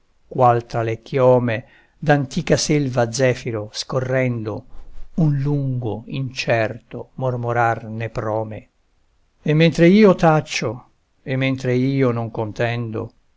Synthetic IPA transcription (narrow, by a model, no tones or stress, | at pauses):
kwalt̪ɾalekʰːjɔːme | d̪ant̪iːkaselvad̪zːɛːfiɾoskorːɛnd̪o̰unluŋɡoint͡ʃɛrt̪omormoɾarnepɾɔːme | emːɛnt̪ɾeiːot̪at͡ʃːo | emːɛnt̪ɾeiːonoŋkont̪ɛnd̪o̰